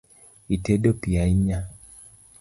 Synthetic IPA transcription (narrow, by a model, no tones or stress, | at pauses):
iteɗopiaiɲa